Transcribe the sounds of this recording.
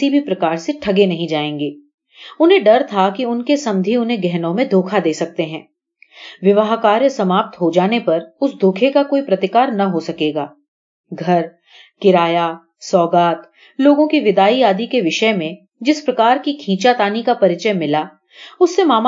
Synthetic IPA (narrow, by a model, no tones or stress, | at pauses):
ibʱipɾɐkaːɾseʈʰɐɡenɐɦĩd͡ʒaːẽːŋɡeː | ʊnɦẽɖɐɾt̪ʰakiʊnkesɐ̃md̪ʱiʊnɦẽɡɛɦnõmẽd̪ʱoːkʰad̪eːsɐk̚t̪eɦɛ̃ː | ʋɪʋəɦkaːɾjəsɐmaːp̚t̪ɦod͡ʒaːnepɐɾʊsd̪ʱoːkʰekakoːipɾɐt̪ɪkaːɾnɐɦosɐkeːɡaː | ɡʱɐɾ | kɪɾaːja | sɔːɡaːt̪ | loːɡõkiʋɪd̪aːiaːd̪ikeʋɪʃəmẽ | d͡ʒɪspɾɐkaːɾkikʰĩːt͡ʃat̪aːnikapɐɾɪt͡ʃəmɪla | ʊsːemaːm